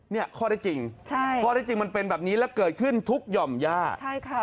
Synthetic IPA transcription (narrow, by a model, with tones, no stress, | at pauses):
ni˥˩ɐkʰɔː˥˩ɾaː˥˩t͡ɕi˧ŋt͡ɕʰa˥˩jkʰɔː˥˩ɾa˥˩t͡ɕi˧ŋma˧npe˧nbɛː˨˩p̚niː˦˥lɛː˦˥wkɤː˨˩t̪̚kʰɯ˥˩nt̪ʰu˦˥k̚jɔ˧mjaː˥˩t͡ɕʰa˥˩jkʰa˥˩